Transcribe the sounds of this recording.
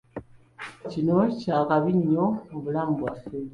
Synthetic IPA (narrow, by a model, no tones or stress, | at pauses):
t͡ʃinɔt͡ʃakabiɲɔobulaŋbwafɛ